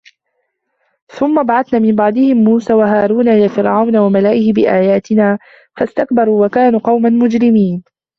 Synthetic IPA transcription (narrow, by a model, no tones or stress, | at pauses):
θʊmːabaʕɑθnaːmɪmbɑʕd̪ˤɪhɪmːuːsaːwaɦaːɾˤuːnajafɪɾʕawnawamalaːʔɪhɪbɪʔaːjaːt̪ɪnaː | fast̪akbɑɾˤuːwakaːnuːqɑwmanmʊd͡ʒɾɪmiːn